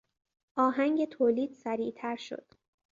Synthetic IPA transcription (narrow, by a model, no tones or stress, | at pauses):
ʔɒːɦæŋɟe̞t̪ʰoːliːd̪̥sæɾiːʔt̪ʰæɾʃo̞̰d̪̥